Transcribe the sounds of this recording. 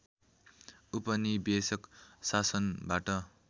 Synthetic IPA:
upʌnibesʌksasʌnbaʈʌ

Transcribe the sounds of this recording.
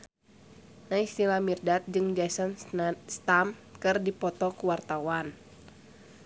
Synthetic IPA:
naist̪ilamirdat̪̚d͡ʒɨŋd͡ʒasɔnst̪amkɨrdipɔt̪ɔkuwart̪awan

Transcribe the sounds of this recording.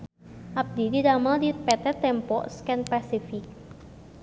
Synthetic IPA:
ʔap̚d̪id̪idamald̪ipɛt̪ɛt̪ɛmpɔʔskɛnpasifik̚

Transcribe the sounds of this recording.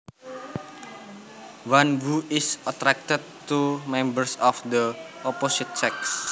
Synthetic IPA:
wanvuɪsət̪ɾak̚t̪əd̪̚t̪umɛ̃mbərsɔfd̪əʔɔposit̪̚sɛks

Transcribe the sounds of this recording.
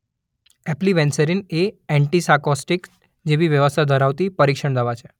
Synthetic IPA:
ɛpliʋɛ̃nsəɾineɛɳʈisakɔsʈik | d͡ʒeʋiʋjəʋəst̪ʰad̪ʱəɾaʋt̪ipəɾikʃəɳd̪əʋat͡ʃʰe

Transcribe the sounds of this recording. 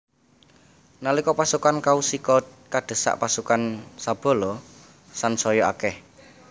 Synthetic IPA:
nalikɔpasukankausikɔkaɖ̪̥ə̤sa̰ʔpasukansab̥ɔ̤lɔ | sansɔjɔa̰kɛh

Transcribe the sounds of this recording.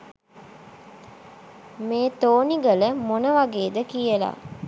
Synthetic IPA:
meːt̪oːniɡələmonəʋaɡeːd̪əkijəla̰

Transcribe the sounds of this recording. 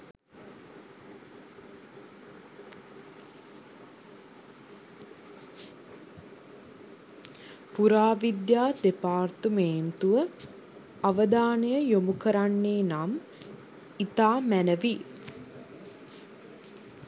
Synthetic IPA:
puɾaːʋid̪jaːd̪epaːrt̪umeːnt̪uʋə | aʋəd̪aːnəjəjomukəɾanːeːnam | it̪aːmænəʋi

